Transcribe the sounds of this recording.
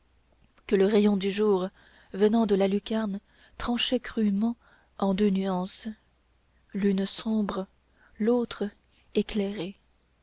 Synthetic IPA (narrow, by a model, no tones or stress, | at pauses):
kələʁejɔ̃d̪yʒuːʁ | vənɑ̃d̪əlalykʲaʁn | t̪χɑ̃ʃɛkχymɑ̃ | ɑ̃d̪ønyɑ̃s | lynsɔ̃bʁə | lot̪χ | eklɛʁe